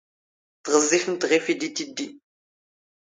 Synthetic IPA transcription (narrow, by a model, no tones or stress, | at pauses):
θʁəzːifənt̪ʁifid̪it̪id̪ːi